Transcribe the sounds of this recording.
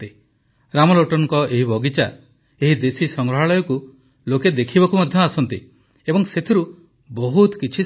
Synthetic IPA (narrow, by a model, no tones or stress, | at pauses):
t̪i | ɾamɔloʈɔnɔŋkɔeɦibʱɔɡit͡ʃa | eɦid̪esisɔŋɡɾɔɦaɭɔjɔku | loked̪ekʰibɔkumad̪ʱjɔasɔnt̪ḭ | ebɔŋset̪ʰiɾu | bɔɦut̪kit͡ʃʰi